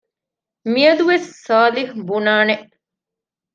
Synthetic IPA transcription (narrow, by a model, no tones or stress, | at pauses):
miɐd̪uʋesːaːlihbunaːneʔ